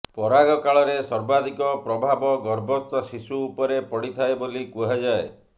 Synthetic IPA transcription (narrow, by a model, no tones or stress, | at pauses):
pɔɾaɡɔkaɭɔɾesɔɾbad̪ikɔpɾɔbʱabɔɡɔɾbʱɔst̪ɔsisuːpɔɾepɔɽit̪ʰaebolikuɦad͡ʒae